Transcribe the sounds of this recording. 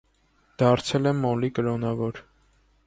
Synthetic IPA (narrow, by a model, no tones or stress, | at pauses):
d̪̥ɑɾt͡sʰɛlɛmːɔlikəɾɔnɑvɔɾ